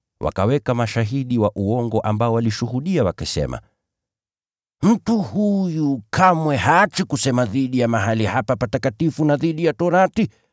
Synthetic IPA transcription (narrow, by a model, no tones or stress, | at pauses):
wʔa̰kawɛkamaʃaɦiɗiwaʔuɔŋɡɔʔambaɔwaliʃuhuɗiawakasɛ̰ma̰ | m̩tuhujukʰamwɛhaːt͡ʃikusɛmaðiɗijamaɦalihapapatakatifunaðiɗijatɔɾati